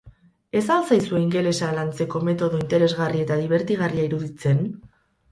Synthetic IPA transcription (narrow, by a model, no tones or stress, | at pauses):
e̞salsajsue̞iŋɡe̞le̞salant͡se̞ko̞me̞t̪o̞ðo̞int̪e̞ɾe̞zɣarie̞t̪aðiβ̞e̞ɾt̪iɣ̞ariaiɾuðit͡se̞n